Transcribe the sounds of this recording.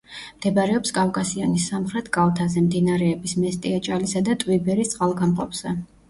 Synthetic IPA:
md̪̥ɛbaɾɛɔpskʼavkʼasiɔnisamχɾɛt̪ʰɡ̥alˠt̪ʰazɛmd̪inaɾɛːbismɛst̪ʼiat͡ʃʼalisad̪at̪ʼwibɛɾist̪sʼqʼalˠɡamqʼɔpʰz̥ɛ

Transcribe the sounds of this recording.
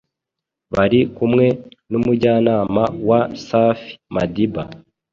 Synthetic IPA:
βaɾikumŋe̞numuɟaːnaːmawasaːfi̥madiba̰

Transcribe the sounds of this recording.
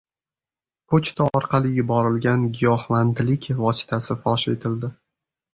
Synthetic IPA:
pʰot͡ʃt̪ʰaɒɾqʰɑlˠɪjʊbɒɾɪlɡʲanɡʲijɒhmant̪lɪkʲʰvɒsɪ̥t̪ʰasɪfɒʃe̞̰t̪ʰɪld̪ɪ

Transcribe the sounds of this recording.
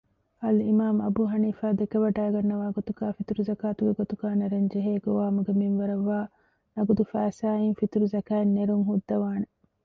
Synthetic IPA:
ɐlimaːmɐbuːɦɐniːfaːd̪ekɐʋɐɖæːɡɐnːɐʋaːɡot̪uɡaːfit̪uɾuzɐkaːt̪uɡeɡot̪uɡaːnɐɾɐɲd͡ʒeɦeːɡoʋaːmuɡeminʋɐɾɐʋːaː | nɐɡud̪ufæːsaːiŋfit̪ɾuzɐkaːnːeɾuŋɦud̪ːɐʋaːne

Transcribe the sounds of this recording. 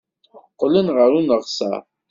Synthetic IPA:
qːlinʁəɾunəʁsæ̰

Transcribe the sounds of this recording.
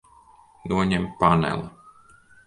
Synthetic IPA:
nuoɲempanɛ̰l

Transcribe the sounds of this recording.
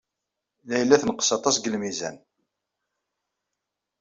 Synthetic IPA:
læjəlːæθnqə̥sɑt̪ˤɑsɡəlmizæ̰n

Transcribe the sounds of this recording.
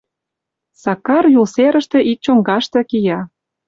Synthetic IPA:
sɑkɑrjulseɾə̆ʃt̪ĕʔit͡ɕoŋɡɑʃt̪ɤ̆kijɑ

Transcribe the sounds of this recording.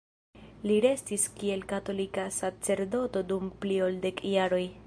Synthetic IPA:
liɾe̞stiskie̞lkato̞likasat͡se̞ɾdo̞to̞dumpliolde̞kjaɾo̞j

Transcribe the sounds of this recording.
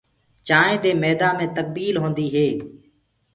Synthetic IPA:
t͡ʃaːẽːd̪eːmeːd̪ãːmẽːt̪ək̚biːlɦõːnd̪iːɦeː

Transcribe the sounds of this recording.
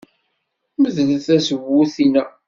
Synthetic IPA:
məðnəθæsəvːuθinæ

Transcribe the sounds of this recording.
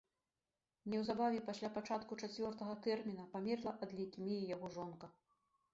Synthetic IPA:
nʲɛwzabavʲɛpasʲlʲapat͡ʂat̪kut͡ʂat͡sʲvʲɔrt̪ɐɣɐt̪ɛrmʲinɐpamʲɛrlˠɐʔɐd̪lʲɛjkʲimʲijijaɣɔʐɔnkɐ

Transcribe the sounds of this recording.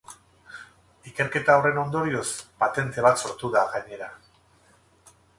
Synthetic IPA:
ike̞ɾke̞t̪ao̞re̞no̞nd̪o̞ɾio̞spat̪e̞nt̪e̞β̞at̪so̞ɾt̪uðaɣaɲe̞ɾa

